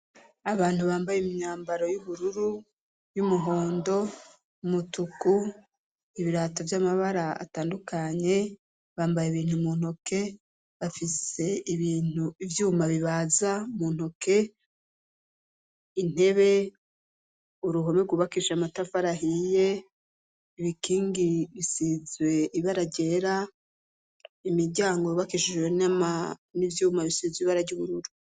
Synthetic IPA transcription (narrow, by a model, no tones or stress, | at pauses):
aβaːn̥huβaːmbajemiɲaːmbaɾo̞juβuɾuɾu | jumuɦo̞ːndo̞ | mutuku | iβiɾaːtovjamaβaɾaa̰taːndukaɲe̞ | βaːmbajeβiːn̥humuːn̥oke̞ | βafise̞iβiːn̥uivjuːmaβiβaːzamuːn̥ho̞ke̞ | in̥he̞βe̞ | uɾuɦo̞meɡuβakiʃamatafaɾaɦije̞ | iβikiːŋɡiβisizwe̞iβaɾaɾɟe̞ɾa | imiɾɟaːŋɡo̞ɾuβakiʃiʒwenamanivjuːmaβisizwiβaɾaɾɟuβuɾuɾu